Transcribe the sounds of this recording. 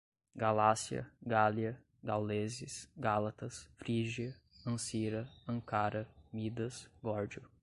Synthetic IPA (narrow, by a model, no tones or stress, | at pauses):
ɡalasiɐ̰ɡaliɐ | ɡawlezɪsɡalat̪ɐsfɾiʒiɐ | ɐ̃siɾɐɐ̃ŋkaɾɐmid̪ɐsɡɔɾd͡ʒiʊ